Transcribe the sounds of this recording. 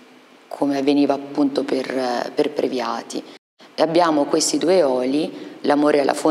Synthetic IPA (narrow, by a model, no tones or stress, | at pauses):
kʰomeavːeniːvaːpːunt̪operperpɾevjaːt̪ḭ | eabːjaːmokwest̪id̪uːeɔːlilamoːɾʔealːʔa̰fo